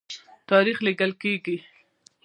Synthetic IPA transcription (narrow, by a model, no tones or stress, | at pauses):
t̪ɑɾixliɡəlkeɡi